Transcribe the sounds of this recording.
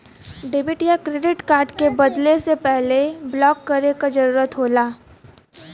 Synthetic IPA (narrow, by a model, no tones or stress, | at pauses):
ɖeːbɪʈjakɾeːɖɪʈkaːɾɖkebɐd̪lesepɛɦleblɔːkːɐɾekad͡ʒɐɾuːɾət̪ɦoːlaː